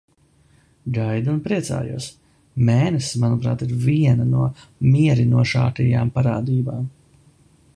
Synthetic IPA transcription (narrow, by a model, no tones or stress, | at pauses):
ɡajd̪unpɾiɛt̪sa̰ːjṵɔs | mɛːnɛsmanupɾa̰ːt̪iɾvʲiɛnɐnuɔmiɛɾinuɔʃa̰ːkɛjaːmpaɾaːd̪iːbaːm